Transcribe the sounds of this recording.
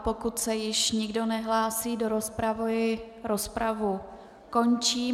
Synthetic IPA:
pokut̪sɛjɪʃɲɪɡdo̞nɛɦlaːsiːdo̞ɾospɾavojɪ | ɾospɾavu | ko̞nt͡ʃiː

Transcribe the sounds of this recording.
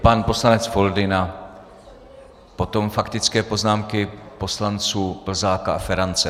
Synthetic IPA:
panpo̞slanɛt͡sfo̞ldɪna | po̞t̪o̞mfakt̪ɪt͡skɛːpo̞znaːmkɪpo̞slant͡suːpl̩zaːkaafɛɾant͡sɛ

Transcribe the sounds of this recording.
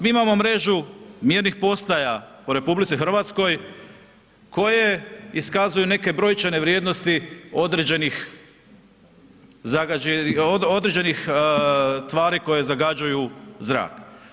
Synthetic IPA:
miːimamo̞mɾe̞ʒumjiːɾnixpo̞st̪ajapo̞ɾe̞publit̪sixɾr̩ʋat̪sko̞j | ko̞jeiskazujune̞ke̞bɾo̞jt͡ʃene̞ʋɾje̞d̪no̞st̪io̞d̪ɾed͡ʑenix | zaɡaeod̪ɾe̞d͡ʒe̞nix | t̪ʋaːɾiko̞je̞zaɡad͡ʒujuzɾa̰ːk

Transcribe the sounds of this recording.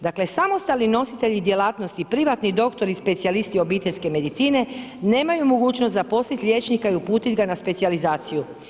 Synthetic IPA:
d̪akle̞samost̪alnino̞sit̪e̞ʎid̪je̞laːt̪nost̪ipɾiʋat̪nid̪o̞kt̪o̞ɾispe̞t̪sialist̪io̞biːt̪eʎʲske̞me̞d̪it̪siːne̞ne̞ːmajumo̞ɡuːt͡ʃnost̪zapo̞slit̪ʎʲje̞ːt͡ʃnikaiupuːt̪it̪ɡanaspe̞t̪sializaːt̪siju

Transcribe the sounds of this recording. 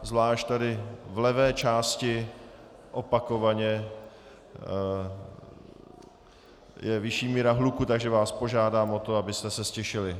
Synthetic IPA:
zvlaːʃtt̪adɪvlɛvɛːt͡ʃaːscɪ | ʔopakovaɲɛ | jɛvɪʃiːmiːɾaɦlukut̪aɡʒɛvaːspo̞ʒaːdaːmʔot̪o̞abɪst̪ɛsɛscɛʃɪlɪ

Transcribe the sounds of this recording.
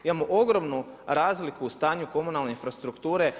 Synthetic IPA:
imamoʔo̞ɡɾo̞mnu | ɾaːzlikuːst̪aːɲuko̞munalˠne̞infɾast̪ɾukt̪uːɾe̞

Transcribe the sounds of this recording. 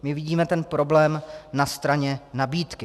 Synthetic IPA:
mɪvɪɟiːmɛt̪ɛnpɾo̞blɛːmnast̪ɾaɲɛnabiːt̪kɪ

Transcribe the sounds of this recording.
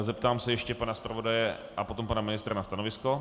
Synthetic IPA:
zɛp̚t̪aːmsɛjɛʃcɛpanaspɾavo̞dajɛʔapo̞t̪ompanamɪnɪst̪ɾanast̪anovɪsko

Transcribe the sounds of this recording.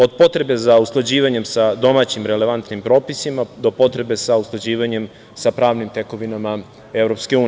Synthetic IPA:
o̞d̪̚po̞t̪ɾe̞be̞zauslˠad͡ʑiːʋaɲe̞msad̪o̞maːt͡ɕimɾe̞le̞ʋant̪nimpɾo̞ːpisimad̪o̞po̞t̪ɾe̞be̞sauslˠad͡ʑiːʋaɲe̞m | sapɾaːʋnimt̪e̞ko̞ʋinama | e̞vɾo̞pske̞uːn

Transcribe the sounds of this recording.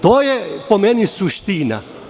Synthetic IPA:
t̪oːjɛpomenisuʃt̪ina̰

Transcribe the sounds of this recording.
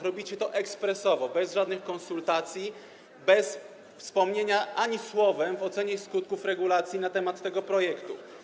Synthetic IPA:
ɾɔbʲit͡ɕɛt̪ɔʔɛkspɾɛsɔvɔbɛzʐad̪nɘxkɔñsult̪at̪sʲji | bɛs | fspɔmɲeɲaʔaɲiswɔvɛmvɔt̪sɛɲɛskut̪̚kufɾɛɡulat̪sʲjinat̪ɛmat̪ːɛɡɔpɾɔjɛkt̪ṵ

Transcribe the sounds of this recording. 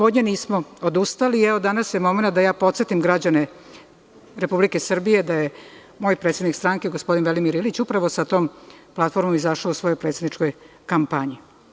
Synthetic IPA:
od̪ɲeniːsmo̞od̪ust̪aliɛʋod̪anasjemo̞me̞nat̪̚d̪ajaːpo̞t̪se̞t̪imɡɾad͡ʑane | ɾe̞publikesr̩bije̞d̪aje | mo̞jpɾet̪sed̪nikst̪ɾaŋkeɡospo̞d̪inʋelimiɾilit͡ɕupɾaʋo̞sat̪o̞ːmplˠat̪fo̞ɾmomizaʃausʋo̞jojpɾet̪sed̪nit͡ʂko̞j | kampaɲi

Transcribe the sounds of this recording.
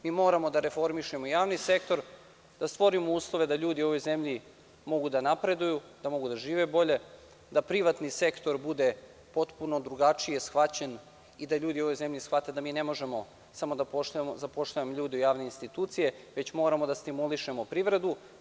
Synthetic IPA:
miːmo̞ːɾamo̞d̪aɾe̞fo̞ɾmiʃe̞moijaːʋnise̞kt̪o̞ɾ | d̪̥ast̪ʋo̞ɾimouːslˠo̞ʋe̞d̪aʎuːd̪io̞ʋojze̞mʎi | mo̞ɡud̪anapɾe̞d̪ujud̪amo̞ɡud̪aʒiːʋebo̞ʎe̞ | d̪apɾiʋat̪nise̞kt̪o̞ɾbud̪e̞ | po̞t̪puno̞d̪ɾuɡat͡ʂije̞sxʋat͡ɕen | id̪aʎuːd̪io̞ʋo̞jze̞mʎisxʋat̪ed̪amiːne̞mo̞ʒe̞mo | samod̪apoʃzapo̞ʃt̪ajemoʎuːd̪iujaːʋne̞inst̪it̪uːt̪sije̞ʋe̞t͡ɕmo̞ːɾamod̪ast̪imuliʃemo̞pɾiʋɾe̞d̪u

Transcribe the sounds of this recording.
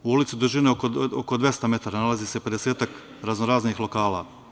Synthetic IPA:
uulit̪sid̪uʒineokookod̪vje̞st̪ame̞t̪aːɾanalaziːsepe̞d̪eseːt̪ak | ɾaznoɾaːznixlo̞kaːla̰

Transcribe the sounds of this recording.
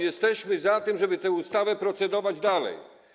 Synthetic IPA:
jɛst̪ɛɕmɘzat̪ɘmʐɛbɘt̪ɛust̪avɛpɾɔt̪sɛd̪ɔvad͡ʑd̪alɛ̰j

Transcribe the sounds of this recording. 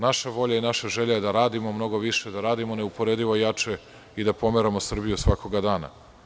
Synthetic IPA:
naʃaʋo̞ʎainaʃaʒe̞ʎaje̞d̪aɾaːd̪imomno̞ɡo̞ʋiʃed̪aɾaːd̪imo̞ne̞upoɾed̪iʋojat͡ʃe | id̪apo̞meɾamosr̩bijusʋako̞ɡad̪aːna̰

